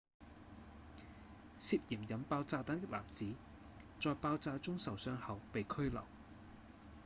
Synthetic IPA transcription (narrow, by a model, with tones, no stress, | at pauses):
siː˧t̚jiː˨˩mjɐ˨npaː˧wt͡saː˧t̪ɐ˨˥ŋt̪ɪ˥k̚la̰ː˨˩mt͡siː˨˥ | t͡sɔː˨˧jpaː˧wt͡saː˧t͡sʊ˥ŋsɐ˨wsœː˧ŋhɐ˨wpe˨jkʰɵ˥ɥlɐ̰˨˩w